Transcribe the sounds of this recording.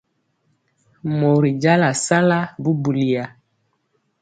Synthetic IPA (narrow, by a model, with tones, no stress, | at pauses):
mo˨ɾi˨d͡ʒa˦la˨sa˦la˦bu˦bu˨li˨ja˨